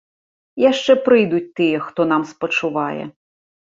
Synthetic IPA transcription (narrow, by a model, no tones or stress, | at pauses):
jaʂt͡ʂɛpɾɨjd̪ʊt͡sʲt̪ɨjɛxt̪ɔn̪amspɐt͡ʂuʋajɛ̰